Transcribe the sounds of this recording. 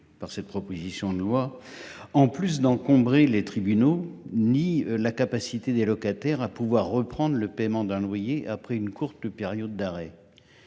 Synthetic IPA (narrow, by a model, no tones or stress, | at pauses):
paʁsɛt̪̚pχɔpozisjɔ̃d̪əlwa | ɑ̃plys̬d̪ɑ̃kɔ̃bʁelet̪χibynonilakapasit̪ed̪elɔkat̪ɛʁapuvwaʁːəpχɑ̃d̪ʁləpɛmɑ̃d̪ɛ̃lwajeʔapχɛynkuʁt̪peʁjɔd̪ːaʁɛ